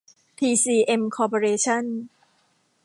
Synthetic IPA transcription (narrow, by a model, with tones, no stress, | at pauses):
p̪ʰiː˧siː˧ʔe˧mkʰɔː˧pʰo˧ɾeː˧t͡ɕʰa˥˩n